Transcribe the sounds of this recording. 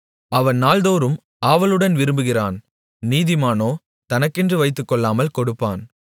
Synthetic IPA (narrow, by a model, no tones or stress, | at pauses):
ɐʋɐnnaːlðoːɾɯm | aːʋɐlɯɽɐnʋɪɾɯmbɯɣɪraːn | niːðɪmaːnoː | t̪ɐnɐkːɛndrɯʋɐɪt̪ːɯkːɔɭːaːmɐlkɔɽɯpːa̰ːn